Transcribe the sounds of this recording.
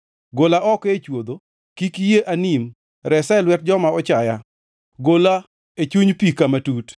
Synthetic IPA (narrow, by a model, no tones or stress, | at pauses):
ɡolaʔɔket͡ʃwod̪o | kikijeʔanim | ɾɛsɛlwɛt̚d͡ʒɔmaɔt͡ʃaja | ɡola | et͡ʃuɲpikamatut